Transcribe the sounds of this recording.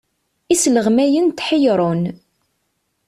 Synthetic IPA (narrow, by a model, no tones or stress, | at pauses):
isləʁmæjənt̪ħəjɾˤon